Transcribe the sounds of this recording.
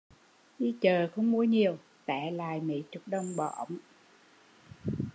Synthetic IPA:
ʔi˧t͡ɕəː˨˩xə˧wŋ͡mmu˧əɲi˨˩əw | t̪ɛː˧˩˦laː˨˩jmḭ˧˨˦t͡ɕɨ˨˩˦k̚ɗə˧wŋ͡mɓɔ̰˨˩ʔə̰˨˧˦wŋ͡m

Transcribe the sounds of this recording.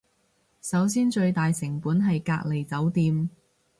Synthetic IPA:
sɐ˨˥wsiː˥nt͡ʃɵ˧ɥt̪aː˨jsɪ˨˩ŋpuː˨˥nɦɐ˨jkaː˧k̚le˨˩jt͡sɐ˨˥wt̪iː˧m

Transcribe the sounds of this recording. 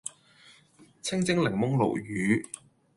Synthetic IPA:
t͡sʰɪ˥ŋt͡sɪ˥ŋlɪ˨˩ŋmʊ˥ŋlo̰˨˩wjyː˨˥

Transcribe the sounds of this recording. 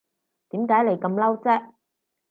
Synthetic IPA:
t̪iː˨˥mkaː˨˥jle˨˩jkɐ˧mlɐ˥wt͡sɛː˥k̚

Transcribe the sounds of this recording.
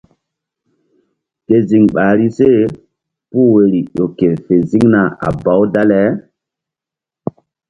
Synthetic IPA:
ke˨zi˨ŋɓaː˨ɾi˦se˦˨ | pu˦we˨ɾi˨ɗo˨ke˨fe˨zi˦ŋna˨a̰˨ba˦wda˦lɛ˨˦

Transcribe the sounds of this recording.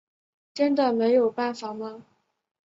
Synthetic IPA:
ʈ͡ʂə˥nd̪ə˨˩me˧˥ɪjo˨˩ʊpa˥˩nfa˨˩mɐ˦

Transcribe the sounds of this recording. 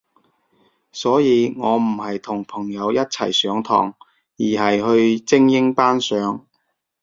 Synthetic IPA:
sɔː˨˥jiː˨˧ŋɔː˨˧m̩˨˩hɐ˨jt̪ʰʊ˨˩ŋpʰɐ˨˩ŋjɐ˨˧wjɐ˥t̚t͡sʰɐ̰˨˩jsœː˨˧˥ŋt̪ʰɔ̰ː˨˩ŋ | jiː˨˩ɦɐ˨jhɵ˧ɥt͡sɪ˥ŋjɪ˥ŋpaː˥nsœː˨˧˥ŋ

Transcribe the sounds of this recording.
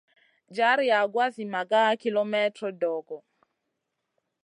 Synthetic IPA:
d͡ʒa˦ɾi˦a˨ɡwa˦zi˨ma˨ɡa˦ki˦lɔ˦mɛ˦tɾɔ˦dɔ˨ɡɔ˨

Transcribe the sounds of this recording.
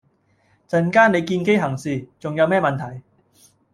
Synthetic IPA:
t͡sɐ˨˧nkaː˥ne˨˧jkiː˧nke˥jɦɐ˨˩ŋsiː˨t͡sʊ˨ŋjɐ˨˧wmɛː˥˩mɐ˨nt̪ʰɐ˨˩j

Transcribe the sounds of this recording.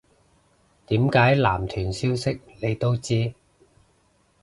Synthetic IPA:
t̪iː˨˥mkaː˨˥jlaː˨˩mt̪ʰyː˨˩nsiː˥wsɪ˥k̚ne˨˧jt̪o˥wt͡siː˥

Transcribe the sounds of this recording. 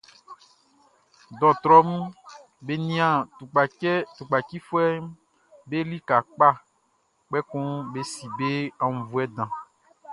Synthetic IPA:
d̪ɔ˨t̪ɾɔ˦mũ˦ | be˨nĩ˦ã˨tu˨k͡pa˨˦t̪u˨k͡pa˨ki˦fo˦ɛ˦ | be˦li˦ka˨k͡pa˦ | k͡pɛ˦kũ˦be˦si˨be˦a˨ŋũ˨vu˨ɛ˦d̪ã˨

